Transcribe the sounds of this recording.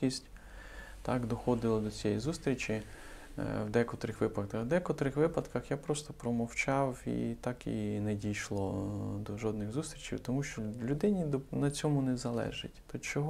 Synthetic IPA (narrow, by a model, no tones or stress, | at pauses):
isʲtʲ | t̪ɑkd̪ɔxɔd̪ɪlˠɐd̪ɔt͡sʲɛjizust̪ɾʲit͡ʃi | wd̪ɛkɔt̪ɾɪxʋɪpɐd̪ɛkɔt̪ɾɪxʋɪpɐd̪kɐxjapɾɔst̪ɔpɾɔmɔwt͡ʃɑwḭt̪ɑkḭnɛdʲijʃlˠɔd̪ɔʒɔd̪nɪɣzust̪ɾʲit͡ʃḭwt̪ɔmuʃt͡ʃɔlʲʊd̪ɪnʲid̪ɔnɐt͡sʲɔmʊnɛzɐlˠɛ̰ʒɪ̰tʲt̪ɔt͡ʃɔɦɔ